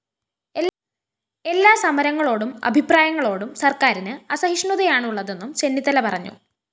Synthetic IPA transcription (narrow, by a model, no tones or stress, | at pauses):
e | e̞lːaːsɐmɐɾɐŋːɐɭo̞ːɽumɐ̰bʱipraːjɐŋːɐɭo̞ːɽumsɐrkaːɾinɨɐsɐɦiʂɳuðɐjaːɳuɭːɐðe̞nːumt͡ɕe̞nːit̪ːɐlɐpɐrɐɲːṵ